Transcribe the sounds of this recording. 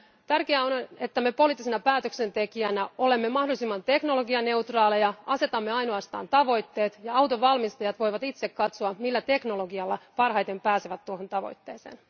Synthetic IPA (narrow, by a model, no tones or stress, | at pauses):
t̪ærkeæone̞t̪ːæmepo̞liːt̪ːisenɑpæːt̪økse̞nt̪e̞kiænæo̞le̞mːemɑhdo̞lisimːɑnt̪e̞kno̞lo̞ɡiɑne̞wt̪rɑːlejɑɑse̞t̪ɑmːeɑjnoɑst̪ɑ̰ːnt̪ɑʋo̞jt̪ːe̞ːt̪jɑɑwt̪oʋɑlmist̪ɑjɑt̪ʋo̞jʋɑt̪it̪se̞kkɑt̪soɑmilːæt̪e̞kno̞loɡiɑlːɑpɑrɦɑjt̪e̞mpæːseʋæt̪ːuoɦont̪ɑʋo̞̰jt̪ːḛːsḛːn